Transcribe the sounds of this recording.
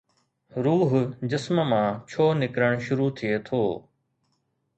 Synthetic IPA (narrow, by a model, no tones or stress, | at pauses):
ɾuːɦʊd͡ʑɪsməmãːt͡ɕʰoːnɪkɾəɽ̃ʃʊɾut̪ʰiet̪ʰoː